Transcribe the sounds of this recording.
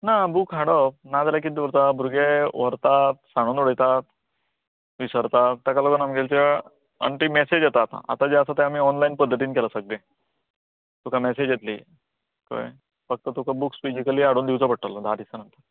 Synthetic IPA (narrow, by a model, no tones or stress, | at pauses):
nabukɦaɽəpnad͡zalakiːd̪ʋəɾt̪abʱuɾɡeʋəɾt̪at̪̚saɽ̃uːnuɽəjt̪at̪ | ʋisəɾt̪at̪ːakaləɡənamɡelt͡ɕa | ə̰ɳʈimɛsed͡ʑjet̪aːt̪a̰a̰t̪ad͡ʑeəsat̪eamiːɔnlainpəd̪ʱːət̪iːnkɛlasəɡ̚le | t̪ukʰamɛsed͡ʑjet̪lḭ | k̪o̰j | fək̚t̪ət̪ukʰəbuksfid͡ʑikəliaɽuːnd̪iwt͡səpəɽ̚ʈːələd̪ʱad̪isənənt̪əɾ